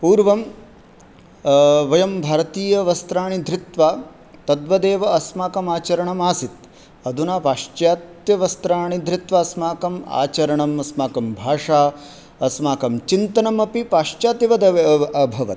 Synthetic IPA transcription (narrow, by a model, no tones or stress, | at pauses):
puːɾʋɐm | ʋɐjɐmbʱaːɾɐt̪iːjɐʋɐst̪ɾaːɳid̪ʱɾɪt̪ʋaː | t̪ɐd̪ʋɐd̪eːʋɐɐsmaːkɐmaːt͡ʃɐɾɐɳɐmaːsit̪ | ɐd̪unaːpaːʂt͡ʃjaːt̪jɐʋɐst̪ɾaːɳid̪ʱɾɪt̪ʋɐːsmaːkɐma̰ːt͡ʃɐɾɐɳɐmɐsmaːkɐmbʱaːʂaː | ɐsmaːkɐmt͡ʃint̪ɐnɐmɐpipaːʂt͡ʃaːt̪iʋɐd̪ɐɐbʱɐʋɐ̰t̪